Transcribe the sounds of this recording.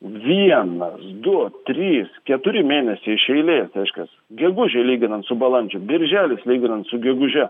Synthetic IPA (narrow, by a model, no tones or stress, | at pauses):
ʋʲiɛnɐsd̪ʊt̪ʲɾʲiːskʲɛt̪ʊɾʲɪmʲeːnʲɛsʲɛɪɪʃɛɪlʲeːsɾʲɛɪʃʲkʲɛsɡʲɛɡʊʒʲɛɪlʲiːɡʲɪnɐnt̪sʊbɐlˠɐnʲd͡ʒʲʊbʲɪɾʲʒʲæːlʲɪslʲiːɡʲɪnɐnt̪sʊɡʲɛɡʊʒʲɛ